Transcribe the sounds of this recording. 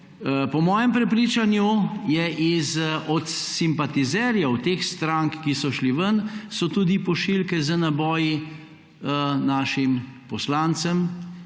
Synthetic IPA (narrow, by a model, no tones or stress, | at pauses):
pɔmɔːjɛmpɾɛpɾiːt͡ʃanjujɛʔizɔt̪simpat̪izɛɾjawt̪exst̪ɾaŋkːisɔʃliʋənsɔt̪uːd̪ipɔʃilkɛzənabɔːji | naːʃimpɔslaːnt̪səm